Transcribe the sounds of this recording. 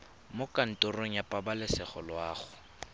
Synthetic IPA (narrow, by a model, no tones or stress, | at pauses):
mokʼan̩tʼʊroŋ̩japʼabalɪsɪχɔlwaːχʊ̥